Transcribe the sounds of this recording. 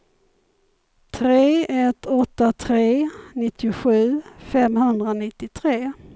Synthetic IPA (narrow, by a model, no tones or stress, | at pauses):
t̪ʰɾeːɛt̪ːɔt̪ːat̪ʰɾeːnɪt̪ːɪʊɧʉ̟ːfɛmhɵnd̪ɾanɪt̪ːɪt̪ʰɾeː